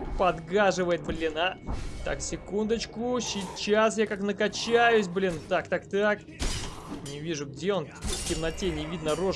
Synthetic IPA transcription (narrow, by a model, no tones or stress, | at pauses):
pɐd̪ɡaʐɨvəjɪt̪̚blʲɪnat̪a̰ksʲɪkund̪ət͡ɕkʊsʲɪt͡ɕasjakaknəkɐt͡ɕæjʊs̬ʲblʲint̪akt̪akt̪ak | nʲɪvʲiʐʊɡdʲeo̞n | tʲɪmnɐtʲenʲɪvʲid̪nəro